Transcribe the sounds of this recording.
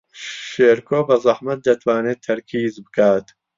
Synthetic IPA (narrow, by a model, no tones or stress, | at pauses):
ʃeːɾkʰoːbɐzˤɑħmɐt̪̚d̪ɐt̪ʰwaːneːt̪̚ʰːɐɾkʰiːzbɨkʰaːt̪